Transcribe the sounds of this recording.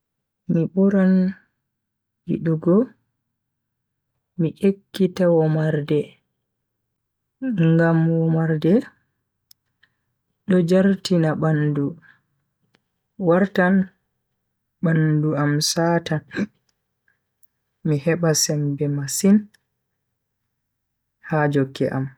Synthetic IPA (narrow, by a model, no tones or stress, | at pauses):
mibɔɾan | hḭɗuɡɔ | miʔekːitawɔmaɾdɛ | ŋɡamwɔmaɾdɛ | ɗɔd͡ʒaɾtinabandu | waɾtan | banduamsaːtan | mihɛɓasɛmbɛmasin | had͡ʒoɡːɛ̰ʔa̰m